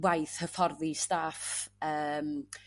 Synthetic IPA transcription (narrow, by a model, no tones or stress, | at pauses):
wajθhəfɔrðistafəːm